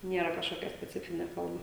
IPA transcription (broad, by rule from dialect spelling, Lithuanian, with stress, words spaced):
ˈnʲiɛrɐ kɐʃˈkoːkʲɛ sʲpʲɛˈt͡sʲɪfʲɪnʲeː ˈfoːrmɐ